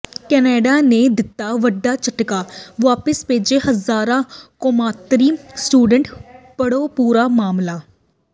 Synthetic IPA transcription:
kɛːneːɖaːneːd̪ɪt̪ːaːʋəɖːaːt͡ʃəʈkaːʋaːpəspeːd͡ʒeːhɦəzaːɾãːkoːmaːt̪ɾiːsʈuːɖəɳʈpəɽoːpuːɾaːmaːmlaː

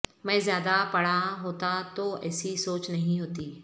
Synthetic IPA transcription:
mɛ̃ːzjaːd̪apɐɽ̤aɦoːt̪at̪oɛ̰ːsisoːt͡ʃnɐɦĩɦoːt̪iː

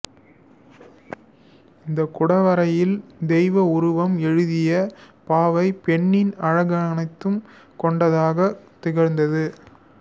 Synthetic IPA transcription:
ɪnd̪ɐkʊɽɐʋɐɾɐjɪld̪ɛjʋɐʊɾʊʋɐmɛɻɯðɪjɐ | paːʋɐɪpɛɳːɪnɐɻɐɣɐnɐɪt̪ːɯm | kɔɳɖɐðaːɣɐt̪ːɪɣɐɾnd̪ɐðɯ

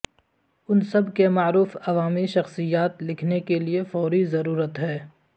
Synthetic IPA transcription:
ʊnsɐbkemaːɾuːfɐʋaːmiʃɐxsijaːt̪lɪkʰnekeliefɔːɾizɐɾuːɾət̪ɦɛː

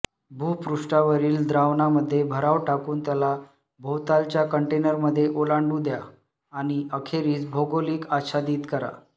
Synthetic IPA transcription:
bʱuːpɾuʂʈaʋəɾiːld̪ɾaʋnaməd̪ʱːjebʱəɾaʋʈakuːnt̪jala | bʱowt̪alt͡ɕjakəɳʈenəɾməd̪ʱːjeʔolaɳɖuːd̪jaː | ɽ̃iəkʰeɾiːt͡sbʱoɡoliːkaɕad̪iːt̪kəɾa̰

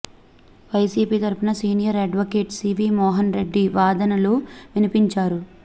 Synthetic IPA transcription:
ʋɐjsiːpiːt̪ɐɾpunɐsiːnijɐɾɐɖʋɐkeːʈsiːʋiːmɔːɦɐnɾe̞ɖːiʋaːd̪ɐnɐluʋinipiɲt͡ʃaːɾu

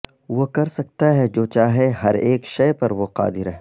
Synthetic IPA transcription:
ʋokɐɾsɐk̚t̪aɦɛd͡ʒoːt͡ʃaːɦeɦɐɾeːkʃɐjpɐɾʋoqa̰ːd̪ɪɾɦɛː

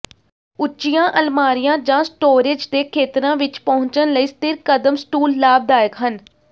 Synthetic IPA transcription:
ʊt͡ʃːt͡ʃːijãːʔəlmaːɾɪjãːd͡ʒãːsʈoːɾeːd͡ʒd̪eːkʰeːt̪ɾãːʋɪt͡ʃpəɦʊ̃ɲt͡ʃənləiːst̪ɪɾkəd̪əmsʈuːlːaːb̚d̪aːjəkɦən

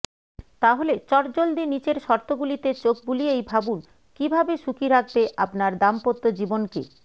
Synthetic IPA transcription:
t̪aɦolet͡ɕɔɾd͡ʑold̪init͡ɕeɾʃɔɾt̪oɡulit̪et͡ɕok̚buliejbʱabun | kibʱabeʃukiɾak̚ʰbeʔapnaɾd̪ampot̪ːod͡ʑibonkḛ

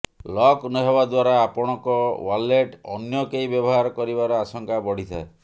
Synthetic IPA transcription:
lɔknɔɦebad̪waɾaːpɔɽ̃ɔkɔwaleʈɔnjɔkeibjɔbɔɦaɾɔkɔɾibaɾɔasɔŋkabɔɽ̤it̪ʰa̰e

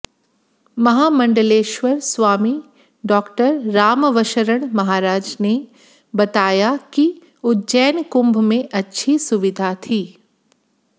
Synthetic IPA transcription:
mɐɦaːmɐ̃ɳɖəleːʃʋəɾswaːmi | ɖɔːkʈəɾːaːmʋəʃəɾəɽ̃mɐɦaːɾaːd͡ʒne | bɐt̪aːjaki | ʊd͡ʒɛːnkʊ̃mbʱmẽʔɐtːʃʰisʊʋɪd̪ʱat̪ʰiː

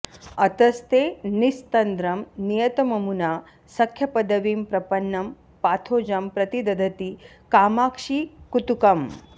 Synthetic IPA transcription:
ɐt̪ɐst̪eːnist̪ɐnd̪ɾɐmnijɐt̪ɐmɐmunaː | sɐkʰjɐpɐd̪ɐʋiːmpɾɐpɐnːɐm | paːt̪ʰoːd͡ʒɐmpɾɐt̪id̪ɐd̪ʱɐt̪i | kaːmaːkʂiːkut̪ukɐm

